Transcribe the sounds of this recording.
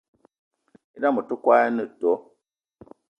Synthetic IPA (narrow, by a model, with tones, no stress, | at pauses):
i˦da˦˨mə˨tu˦kwa˦ja˦nɨ˦˨tɔ˨˦